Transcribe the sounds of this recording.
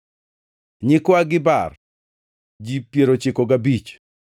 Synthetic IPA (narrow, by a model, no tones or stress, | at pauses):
ɲɪkwaɡɪba̰r | d͡ʒipjeɾot͡ʃɪkoɡabit͡ʃ